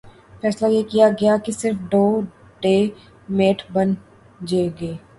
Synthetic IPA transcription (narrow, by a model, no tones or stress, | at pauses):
fɛːslajeːkijaɡɐjakisɪɾfɖoː | ɖeː | meːʈʰbɐn | d͡ʒeɡeː